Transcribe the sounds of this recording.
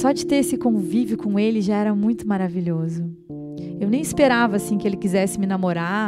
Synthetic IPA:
sɔd͡ʒɪt̪eɾesɪkõvivjʊkõelɪʒaɛɾɐmũj̃t̪ʊmaɾaviʎozʊ | ewnẽj̃ispeɾavɐasĩkɪelɪkizɛsɪmɪnamoɾa

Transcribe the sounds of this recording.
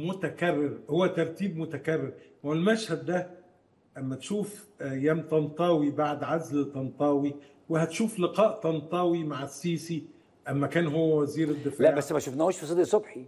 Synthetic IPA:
mot̪ækærːɪɾhowːæt̪ɑɾˤt̪iːbmot̪ækærːeɾ | welmæʃhæd̪ːæ | ʔæmːæt̪ʃuːfjæːmt̪ɑnt̪ˤɑːwibaʕd̪ʕazlet̪ˤɑnt̪ˤɑːwi | wehæt̪ʃuːflɪqɑːʔt̪ɑnt̪ˤɑːwimaʕasːiːsi | ʔæmːækæːnɦowːæwæziːɾed̪ːɪfaæʕbæsːmæʃuːfnæhoʃfisˤɨd̪isˤobħi

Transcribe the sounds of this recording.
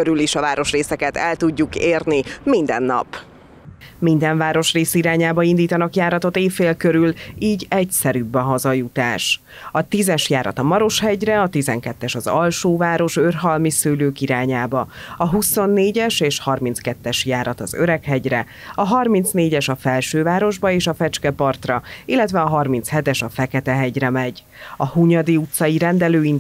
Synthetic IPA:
øɾyliʃɒvaːɾo̞ʃreːsɛkɛt̪ɛlt̪uɟːukeːrnimind̪ɛ̰nːɒ̰p | mind̪ɛɱvaːɾo̞ʃreːsiɾaːɲaːbɒind̪iːt̪ɒnɒkjaːɾɒt̪o̞t̪eːfːeːlkøɾyliːɟɛcsɛɾybːɛɦɒzɒjut̪aːʃ | ɒt̪izɛʃjaːɾɒ̰t̪ɒmɒɾo̞ʃhɛɟrɛɒt̪izɛŋkɛt̪ːɛʃɒzɒlʃoːvaːɾo̞ʃørɦɒlmisøløːkiɾaːɲaːbɒɒɦuso̞nːeːɟɛʃeːʃhɒrmint̪skɛt̪ːɛʃjaːɾɒt̪ɒzø̰ɾɛkɦɛɟrɛ | ɒɦɒrmint̪sneːɟɛʃɒfɛlʃøːvaːɾo̞ʒbɒeːʃɒfɛt͡ʃkɛpɒrt̪rɒilːɛt̪vɛɒɦɒrmint̪shɛt̪ɛʃɒfɛkɛt̪ɛɦɛɟɾɛmɛɟ | ɒhuɲɒd̪iut̪sɒjiɾɛnd̪ɛløːin

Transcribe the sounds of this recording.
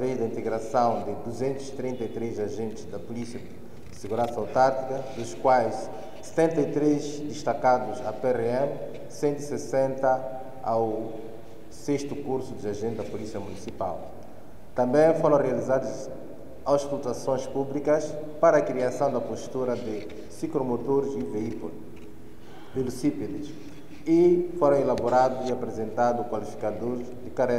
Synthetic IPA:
veʒd̪ɐĩnt̪eɡɾasɐ̃w̃d̪ɪd̪uzẽnt̪uzi̥t̪ɾĩnt̪ɐit̪ɾezaʒẽnt̪ɪzd̪ɐpulisiɐ | seɣuɾɐ̃nsɐawt̪aɾt̪ikɐd̪uʃkwajs | se̥t̪ẽnt̪ɐit̪ɾezd̪ɪʃt̪akad̪uzapeʁeɛ̃m | sẽnt̪uisesẽnt̪ɐ | aw | seʃt̪ukuɾsud̪ɪaʒẽnt̪d̪ɐpulisiɐmunisipa̰lˠ | t̪ɐ̃mbẽj̃foɾɐ̃w̃rializad̪uz | awʃkult̪asõj̃ʃpublikɐʃ | paɾɐːkɾiasɐ̃w̃d̪ɐpoʃt̪uɾɐd̪ɪ | sikɾomot̪oɾzivi | d̪elusiped̪ɪʃ | ifoɾɐ̃w̃elaboɾad̪uziapɾezẽnt̪ad̪ukwalifi̥kad̪oɾzd̪ɪkaɾɛɾ

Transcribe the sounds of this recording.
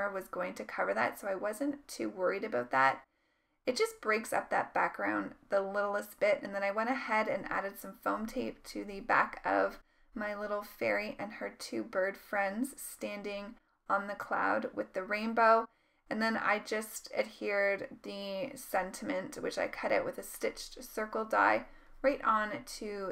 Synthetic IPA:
ə˞wʌzɡoʊɪ̃ŋtʰɨkʰʌvə˞ðɨ̰tsoʊaɪwʌzɨ̃ntʰʉwɜ˞iɾɨbaʊt̪̚ðæt̚ | ɨt̚d̥ʒ̥ʌsb̥ɹeɪksʌ̰p̚ðɨ̰t̚b̥æk̚ɡ̥ɹãʊ̃nðəlɪɾl̩ˠəsb̥ɪɾɨ̃nðɨ̃ñaɪwɛ̃ɾ̃ɨhɛɾɨ̃næ̰ɾɨd̥sʌ̃ɱfõʊ̃mtʰeɪp̚tʰɨðɨbæ̰kʰʌ̰v | maɪlɪɾl̩ˠfɛɹiʔɨ̃nə˞tʰʉbɜ˞d̥fɹɛ̃ndz̥stæ̃ndɪ̃ŋ | ə̃nðɨkʰl̥a̰ʊd̚wɨðɨɹẽɪ̃nboʊ | ɨ̃nðɨ̃na̰ɪd͡ʒʌstɨd̚hiɹd̪̚ðɨsɛ̃ntʰɨmɨ̃ntwɨt͡ʃa̰ɪkʰʌɾɪ̰ʔ̚wɨðɨstɪt͡ʃsɜ˞kl̩ˠda̰ɪ | ɹaɪɾn̩tʰɨ

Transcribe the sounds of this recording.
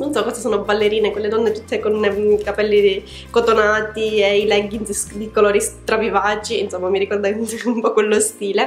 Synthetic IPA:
nonsɔkːɔzasoːnobalːeɾiːnekwelːed̪ɔnːet̪ut̪ʰːekonkapɛlːi | kot̪onaːt̪ieilɛɡːid̪ikoloːɾit̪ɾavivaːt͡ʃiinsomːamiɾikɔrd̪anumpɔkwelːost̪iːle

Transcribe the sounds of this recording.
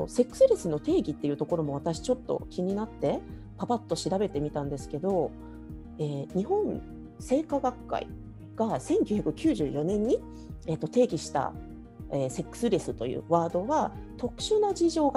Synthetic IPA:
o̰se̞kːɯ̟̥sɨɾe̞sɨno̞t̪e̞ːɡʲit̪ːe̞jɯ̟t̪o̞ko̞ɾo̞mo̞β̞at̪aɕi̥t͡ɕo̞t̪ːo̞̰kʲiɲ̟inat̪ːe̞ | pabat̪ːo̞ɕiɾabe̞t̪e̞mʲit̪ãnd̪e̞sɨ̥ke̞d̪o̞ | eːɲ̟ihõ̞ñ | se̞ːkaɡakːa̰ḭ | ɡ̥asẽ̞ŋkʲɨːçʲakɯ̟kʲɨːʑɨːjo̞nẽ̞ɲ̟ːi | e̞t̪ːot̪e̞ːɡʲiɕi̥t̪a̰ | eːse̞kːɯ̥sɨɾe̞sɨt̪o̞jɯ̰ːβaːd̪o̞βat̪o̞kɯ̟̥ɕɨnad͡ʑiʑo̞ːɡa

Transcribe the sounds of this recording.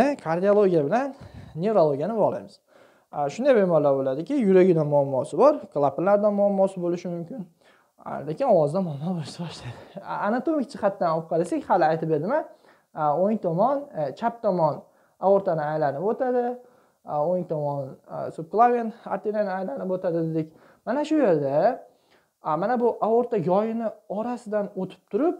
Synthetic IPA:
ɪkʰaɾd̪ijolˠoɡʲijabɪlanːʲe̞vɾolˠoɡʲjanɪbɒʁla̰jmɪz̥ | ʃʊnd̪ajbemɒɾlaɾbolad̪ɪkʲɪjʊɾaɡʲɪd̪anmʊamːɒsɪbɒɾklˠapʰɾlaɾd̪anmʊamːɒsɪbolɪʃɪmʊmkʲɪn | lekʲɪnɒwɒzd̪amɒmˠd̪anbosabɒʃlajd̪ɪanat̪omɪk̚ʲt͡ʃʰɪχat̪ːanɒp̚qʰɑlˠasekʲhalɪajt̪ɪp̚be̞ɾd̪ɪman | oŋt̪ʰɒmɒnt͡ʃʰap̚t̪ʰɒmɒn | aoɾt̪ʰanɪajlanɪpot̪ʰad̪ɪ | oŋt̪ʰɒmɒnsʊp̚klˠavent̪a̰t̪ʰːeɾanɪajlanɪpot̪ʰad̪ɪd̪d̪ekʲ | manaʃʊje̞ɾd̪a | manabʊʔaoɾt̪aɡɒjɪnɪɒɾasɪd̪anot̪ʰɪ̥p̚t̪ʰʊɾɪp̚

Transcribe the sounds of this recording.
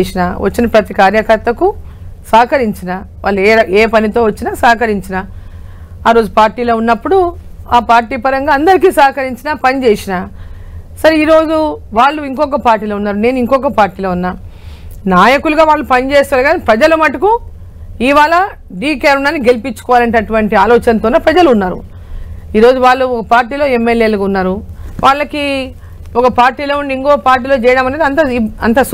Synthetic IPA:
esinaːʋɐ̰t͡ʃːinɐpɾɐt̪ikaːɾjɐkɐɾt̪ɐku | saːkɐɾiɲt͡ʃinaːʋa̰ːɭlːueːpɐnit̪o̞ːʋɐt͡ʃːinaːsaːkɐɾiɲt͡ʃinaː | aːɾo̞ːd͡ʒupaːɾʈiːlo̞ːunːɐpːuɽuaːpaːɾʈiːpɐɾɐŋɡaːɐnd̪ɐɾik̬iːsaːkɐɾiɲt͡ʃinaːpɐnit͡ʃeːsinaː | sɐɾiːɾo̞ːd͡ʒuʋaːɭːuiŋkɔk̬ɐpaːɾʈːiːloːunːaːɾune̞ːniŋkɔk̬ɐpaːɾʈiːloːunːaː | naːjɐkuluɡaːʋaːɭːupɐnit͡ʃeːst̪aːlɡaːnipɾɐd͡ʒɐlɐmɐʈːɐku | iːʋaːɭɐ | ɖiːkeɾunːaːnːiɡe̞lipit͡ʃːu̥kɔʋaːlɐnʈɐʈuʋɐɳʈiaːlɔːt͡ʃɐnɐt̪oːnepɾɐd͡ʒɐluunːaːɾṵ | iːɾo̞ːd͡ʒuʋaːɭːuɔkɐpaːɾʈiːlo̞ːemːeljeːlɐɡunːaːɾuʋʔaːɭːɐki | ɔkɐpaːɾʈːiːlo̞ːunɖiŋkɔːkɐpaːɾʈ̬iːlo̞ːt͡ʃɛːjɐɽaːmɐneːd̪iɐnt̪ɐɐ̰nt̪̬ɐs

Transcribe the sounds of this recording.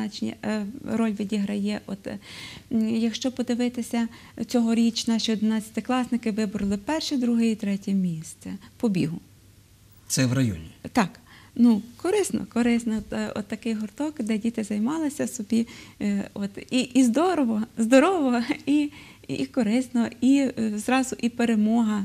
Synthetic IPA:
ɑt͡ʃnʲḭrɔlʲʋʲidʲiɦɾɐjɛʔɔt̪ | jɐkʃt͡ʃɔpɔd̪ɪʋɪt̪ɪsʲɐ | t͡sʲɔɦɔɾʲit͡ʃnɑʃʲiɔd̪ɪnɑt͡sʲɐ̥t̪ɪklˠɑsnɪkɪʋɪbɔɾɐlˠɪpɛrʃɛd̪ɾuɦɪjit̪ɾɛtʲɛmʲist̪sɛpɔbʲiɦʊ | t̪sɛʋrɐjɔ̰nʲit̪ɑk | nukɔɾɪsnɔ̰kɔɾɪsnɔɔ̰t̪ːɐkɪjɦɔrt̪ɔkd̪ɛdʲit̪ɪzɐjmɑlˠɪsʲɐsɔbʲi | ɔt̪iʔizd̪ɔɾɔʋɔzd̪ɔɾɔʋɔi | ḭkɔɾɪsnɔizɾɑzʊʔipeɾemɔɦɐ

